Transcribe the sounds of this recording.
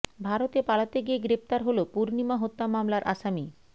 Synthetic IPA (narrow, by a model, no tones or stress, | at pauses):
bʱaɾot̪epalat̪eɡieɡɾept̪aɾɦolopuɾnimaɦot̪ːamamlaɾʔa̰ʃami